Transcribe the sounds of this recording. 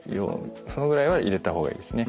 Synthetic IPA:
jo̰so̞noɡɯ̟ɾaiβaʔiɾe̞t̪aɦo̞ːɡa̰ḭːd̪e̞sɨne̞

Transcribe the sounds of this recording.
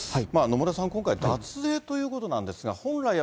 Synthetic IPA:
amaːno̞moɾasãŋkõŋkaid̪at͡sɨe̞ːt̪o̞jɯ̟ːko̞t̪o̞nãnd̪e̞sɨɡahõ̞nɾai

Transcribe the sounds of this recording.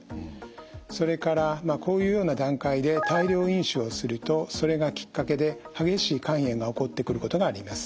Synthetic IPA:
so̞ɾe̞kaɾamako̞ːjɯ̟ːjo̞ːnad̪ãŋkaid̪e̞t̪aiɾʲo̞ːĩɰ̃ɕɨo̞sɨɾɯ̟t̪o̞so̞ɾe̞ɡakʲi̥kːake̞d̪e̞haɡe̞ɕiːkãɰ̃ẽ̞ŋɡao̞ko̞t̪ːe̞kɯ̟ɾɯ̟ko̞t̪o̞ɡaːɾʲimasɨ̥

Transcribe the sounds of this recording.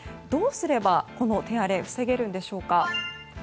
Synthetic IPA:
d̪o̞ːsɨɾe̞bako̞no̞t̪e̞aɾe̞ɸɯ̟̥se̞ɡe̞ɾɯ̟̃nd̪e̞ɕo̞ːka

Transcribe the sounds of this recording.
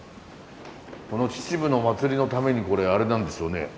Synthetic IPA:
ko̞no̞t͡ɕi̥t͡ɕibɯ̟no̞mat͡sɨɾʲino̞t̪ame̞ɲ̟iko̞ɾe̞aɾe̞nãnd̪e̞sɨjo̞ne̞̰

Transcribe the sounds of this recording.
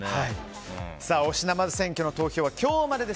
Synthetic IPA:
hai | saːo̞ɕinamazɨsẽ̞ŋkʲo̞no̞t̪o̞ːço̞ːβakʲo̞ːmaɾe̞d̪e̞

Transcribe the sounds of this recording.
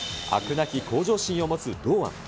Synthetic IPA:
a̰kɯ̟naçʲikʰo̞ːʑo̞ːɕĩɰ̃o̞mo̞t͡sɨd̪oːβã̰ŋ

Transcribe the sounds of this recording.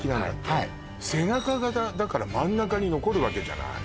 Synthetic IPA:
kʲinãnd̪a̰tːai | se̞nakaɡaad̪akaɾamãnːakaɲ̟ino̞ko̞ɾɯ̟βake̞d͡ʑa̰na̰

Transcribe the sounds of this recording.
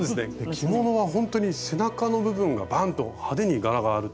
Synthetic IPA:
d̪esɨnekʲʰimo̞no̞β̞aɦõ̞nt̪o̞ɲ̟ise̞nakano̞bɯ̟bɯ̟̃ŋɡa̰bãnt̪o̞had̪e̞ɲ̟iɡaɾaɡaːɾɯ̟t

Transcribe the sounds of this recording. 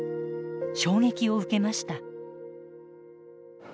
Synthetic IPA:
ɕo̞ːŋe̞kʲio̞ɯ̟ke̞maɕi̥t̪a

